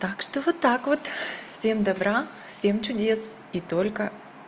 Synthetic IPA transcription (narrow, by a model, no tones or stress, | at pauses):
t̪akʃt̪ovot̪akvot̪fsʲɛmd̪ɐbɾafsʲɛmt͡ʃʊd̪ʲɛs | it̪olʲkə